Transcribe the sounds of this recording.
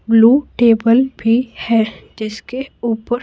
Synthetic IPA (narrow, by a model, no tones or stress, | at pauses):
bluːʈeːbəlbʱihɛːd͡ʒɪskeuːpəɾ